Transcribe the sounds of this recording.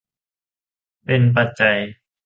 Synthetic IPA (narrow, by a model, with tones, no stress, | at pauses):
pe˧np̬a˧t̪̚t͡ɕa˧j